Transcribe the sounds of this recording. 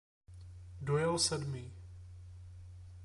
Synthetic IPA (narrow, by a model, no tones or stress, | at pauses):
dojɛlsɛdmiː